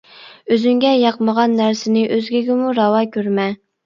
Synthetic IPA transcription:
øzyŋɡʲɛjɑqməʁɑnːæɾsɪnɪʔøzɡʲiɡʲɪmuɾɑwɑkʲʰøɾmɛ

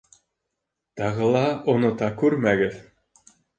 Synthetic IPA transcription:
t̪ɑʁɤ̆lˠɑŏnŏt̪ɑkʉɾmæɡɘð

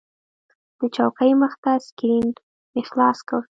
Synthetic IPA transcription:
d̪̥ət͡ʃɑwkəjməxt̪askɾin | ɪxlɑskəw

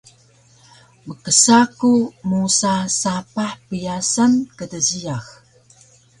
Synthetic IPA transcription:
məkəsakumusasapaħpijasankədəzijax

